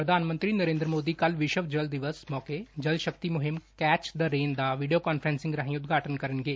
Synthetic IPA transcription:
pɾəd̪ʱaːnmə̃nt̪ɾiːnəɾẽːnd̪ɾəmoːd̪iːkəlʋɪʃəʋd͡ʒəld̪ɪʋəsmɔːkeːd͡ʒəlʃək̚t̪iːmʊɦɪmkɛːt͡ʃd̪əɾeːnd̪aːʋiːɖioːkaːnpʰɾɛ̃ːnsɪ̃ŋɡɾaɦĩːʊd̪ɡaːʈənkəɾənɡeː

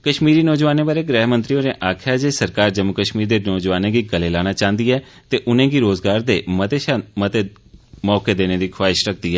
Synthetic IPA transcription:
kəʃmiːɾiːnɔːd͡ʒʋaːneːbaːɾeːɡɾɛːɦmə̃nt̪ɾijõːneːʔaːkʰjaːd͡ʒeːsəɾkaːɾd͡ʒəmːəkəʃmiːɾd̪eːnɔːd͡ʒʋaːnẽːɡiːɡəleːlaːñaːt͡ʃãːnd̪iːɦɛːt̪eːʔʊnẽːɡiːɾoːzɡaːɾd̪eːət̪eːʃamət̪eː | mɔːkeːd̪eːnẽːd̪iːkʰwaːɪʃɾək̚ʰd̪iːɦɛː

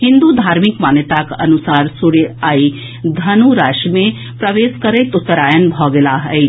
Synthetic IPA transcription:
hĩnd̪ud̪ʱaːɾmikmaːnjət̪akɐ̰nusaːɾsuɽeai | d̪ʱɐnuɾaʃmẽ | pɾɐʋeskəɾəjt̪ʊt̪ːəɾaːjənbʱɔɡelaɦəɪ

